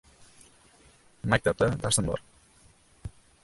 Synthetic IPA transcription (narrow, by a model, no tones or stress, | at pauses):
mak̚t̪ʰap̚t̪ad̪asənbɒ̰ɾ